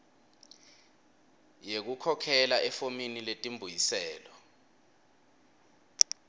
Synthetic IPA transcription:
jek̬ukʰɔkʰɛlaʔɛfominiletʼimbʱujisɛːlɔ

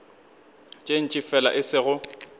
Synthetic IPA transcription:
t͡ʃʼen̩t͡ʃʼifɛla̰ʔɪsɪɣʊ

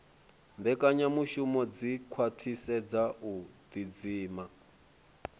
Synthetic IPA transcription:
mbɛkʼaɲamuʃumɔd͡zikʰwatʰisɛd͡zaud̪id͡ziːma

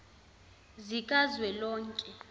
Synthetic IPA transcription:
zikʼazwɛlɔːŋkʼɛ

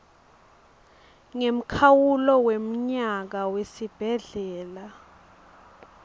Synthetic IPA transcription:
ŋem̩kʰawulɔwem̩ɲak̬awesib̥ʱɛɮɛːla

